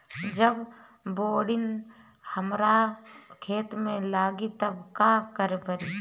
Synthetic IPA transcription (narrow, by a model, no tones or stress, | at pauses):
d͡ʒəb | boːɽɪn | həmɾakʰeːt̪mẽlaːɡit̪əbkaːkəɾepəɾi